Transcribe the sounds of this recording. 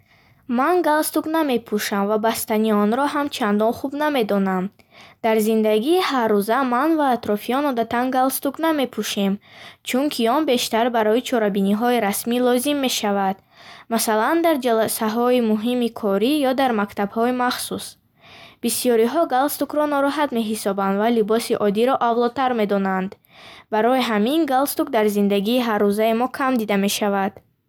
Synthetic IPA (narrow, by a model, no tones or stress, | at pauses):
manɡalst̪ukname̞pʰuʃamvabast̪aniɔnɾɔɦamt͡ʃʰand̪ɔnχubname̞d̪ɔnam | d̪̥aɾzind̪aɡiːharːuzamanvaːt̪ɾɔfiɔnɔd̪at̪ʰanɡalst̪ukname̞pʰuʃe̞mt͡ʃʰuŋkʰiɔnbe̞ʃt̪aɾbaɾɔit͡ʃʰɔɾabiniɦɔiɾasmilɔzimːe̞ʃavad̪̥ | masaland̪aɾd͡ʒalasaɦɔimuɦimikʰɔɾijɔd̪aɾmakt̪ʰabhɔimaχsus | b̥isijɔɾiɦɔɡalst̪ukɾɔnɔɾɔɦat̪me̞ɦisɔband̪valibɔsiʔɔd̪iɾɔʔavlˠɔt̪ʰaɾme̞d̪ɔnand̪ | baɾɔiɦaminɡalst̪ukd̪aɾzind̪aɡiːɦarːuzaimɔkʰamd̪id̪ame̞ʃavad̪̥